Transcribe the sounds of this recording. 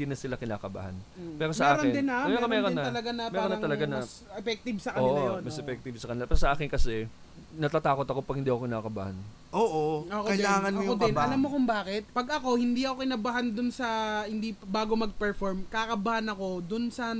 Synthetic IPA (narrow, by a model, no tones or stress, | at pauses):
nd̪iːnɐsɪlakɪna̰ːkɐba̰ha̰npɛːɾosmɐʔɛɾond̪ɪnaɛɐmɛɾonɐɐlɐɡanɐmɛɛɾonɐt̪ɐlɐɡanɐs | ɛfɛk̚t̪ɪbsɐkɐoːʔmɐsʔɛfɛk̚t̪ɪbsɐkɐnɪlapɛːɾosɐʔaːkɪnkɐsɛ | nɐt̪aːt̪aːko̞t̪ɐko̞pɐɡ̚hɪnd̪iːɐkokɪnaːkɐba̰ha̰n | ʔoːʔookoɐjlaːŋɐnmojodk̪ɐɪnbaɐlamːokʊmbaːkɪt̪̚pɐɡɐko̞hɪnd̪iːʔɐko̞kɪnɐbɐɦand̪ʊnsɐhɪnd̪ibaːɡo̞mɐɡ̚pɛɹfoɹmkakɐbɐhanɐko̞d̪ʊnsɐ